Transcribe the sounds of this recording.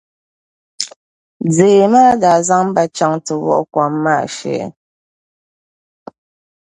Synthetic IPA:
d͡zeː˨maː˦da˨za˦ŋm̩˦ba˦t͡ʃa˦ŋtə˨wɔ̰˦ʔkwa˨˦mːa̰˦˨ʃɛ̰˨˦

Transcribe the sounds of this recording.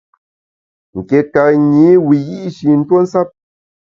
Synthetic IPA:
ŋ̩˨kɛ˨ka˨ɲi˨˦wi˨ɣi˦ʔʃi˨n̩˦two˦n̩˦sa˦p̚

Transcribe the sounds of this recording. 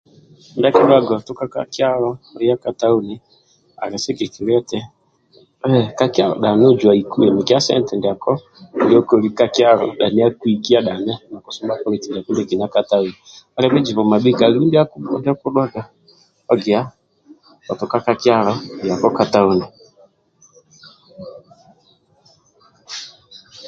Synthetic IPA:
nda˦ki˦ɗwa˦ɡɔ˨tʊ˦ka˦ka̰˦kɪ˦a˦lɔ˦˨˦a˦ka˨ta˦u˦ni˨ | a̰˨ɾɛ˨sɛ˦ke˨ki˨ɾɛ˦tɛ˦ | ɛ˦˨ka˦kɪ˦a˦lɔ̰˨ɗa˨nɛ˦ɔ˦d͡ʒwa˨i˨ku˦ɛ˨mi˨ka˦sɛ̰˦n˦tɛ˨ndi˨a˨kɔ˦ | ndi˦ɔ˦ko˨ɾi˦ka˦kja˦ɾɔ̰˨ɗa˨ni˦a˦kwi˨ki˦a˦ɗa˨nɛ˦na˨ku˨su˦mba˦pɔ˦ɾi˨˦ti˨nda˨ku˦ndɛ˦˨ki˨n˨a˦ka˦ta˦u˦ni˨a˨ɾɛ˦mɛ˦d͡ʒi˨βɔ˨ma˨ɓi˦ka˨li˦u˦ndi˦a˦ku˦ɔ̰˦ndi˦a˦ku˦ɗwa˦ɡa˨ | ɔ˦ɡi˨a˦ | ɔ˨tɔ˨ka˦ka˦ki˦a˦ɾɔ˦ndi˨a˨kɔ˦ka˨ta˦u˦nɛ˨

